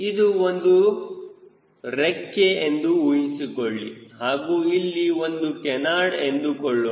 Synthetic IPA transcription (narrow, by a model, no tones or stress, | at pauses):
id̪uond̪u | ɾekːeend̪uujinsikoɭːḭhaːɡuːilːiʋond̪ukɛnaːɖend̪ukoɭːo